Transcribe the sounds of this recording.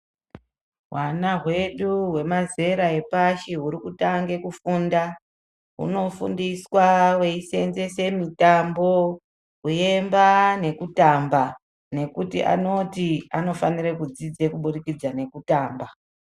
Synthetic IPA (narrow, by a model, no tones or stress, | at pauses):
ɦwanaɦwe̞ɗuwe̞maze̞ɾae̞paʃiɦuɾikutaŋɡe̞kufunda | ɦṵno̞fundiswawe̞ise̞nze̞se̞mitambo̞ | kuje̞mbane̞kutamba | ne̞kutḭʔa̰no̞tiano̞fanirekud͡zid͡ze̞kuɓurikid͡zane̞kutaːmba